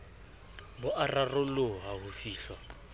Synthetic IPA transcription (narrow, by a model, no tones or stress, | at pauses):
bʊʔararʊlʊɦaɦʊfiːɬwa